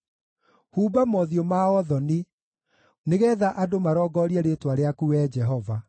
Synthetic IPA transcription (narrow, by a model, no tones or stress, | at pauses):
huːbamɔðiomaɔðɔni | neɣɛðaʔadomaɾɔɡɔɾiɛɾetwaɾeakuɛd͡ʒɛɦɔva